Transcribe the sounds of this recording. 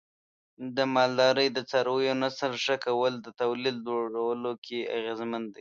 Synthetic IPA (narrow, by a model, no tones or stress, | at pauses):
d̪əmɑld̪ɑɾəjd̪ət͡sɑɾwəjonasəlʂəkawəld̪ət̪awlild͡ʒoɽawəlokʰea̰ɣezmənd̪aj